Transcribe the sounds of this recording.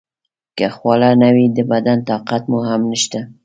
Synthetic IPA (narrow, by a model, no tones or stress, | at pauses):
kaxwɑlanawid̪əbad̪ant̪ɑqat̪muɦamnəʃt̪a